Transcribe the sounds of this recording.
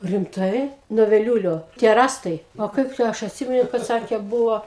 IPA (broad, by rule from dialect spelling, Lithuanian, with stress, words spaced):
rʲɪmˈtɐɪ nuɔ ʋʲɛˈlʲuːlʲoː tʲiɛ ˈrɑːstɐɪ oː ˈkɐɪp tɐɪ ˈɐʃ ɐtʲˈsʲɪmʲɛnʊ kɐt ˈsɑːkʲeː ˈbʊʋoː